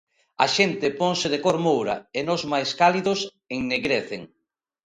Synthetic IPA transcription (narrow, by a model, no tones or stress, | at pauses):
ɐ̰ʃent̪ɪpoŋsɪðekoɾmowɾɐ̰enozmajskaliðʊs | eŋneɣɾeθḛŋ